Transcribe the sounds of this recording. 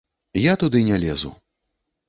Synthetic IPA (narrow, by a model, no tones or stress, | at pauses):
jat̪ud̪ɨnʲalʲɛzṵ